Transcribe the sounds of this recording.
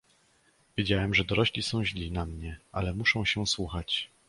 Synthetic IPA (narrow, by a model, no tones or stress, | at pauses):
vʲjed͡ʑawɛmʐɛd̪ɔɾɔɕlʲisɔ̃w̃ʑlʲinamɲɛʔalɛmuʂɔ̃w̃ɕɛswuxat͡ɕ